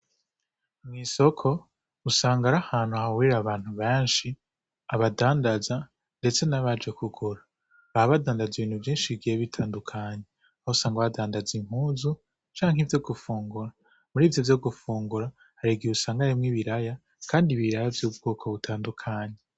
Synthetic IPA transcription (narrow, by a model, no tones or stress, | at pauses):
mŋiːso̞kʰo̞ | usaːŋɡaɾahaːn̥huahawiɾaβaːn̥huβeːnʃi | aβadaːndaza | nde̞t͡se̞naβad͡ʒe̞kʰuɡuɾa | βahaβadaːndaziβiːn̥huvjiːnʃiɡieβitʰaːndukʰaːɲe | ausaːŋɡaβadaːndazim̥uːzu | t͡ʃaːŋɦivjo̞ɡufuːŋɡuɾa | muɾiːvjovjo̞ɡufuːŋɡuɾa | haɾiɡieusaːŋɡaɾimŋiːβiɾaja | kʰaːndiβiɾajavjuːb̚ɡoːkʰo̞βutʰaːndukʰaːɲe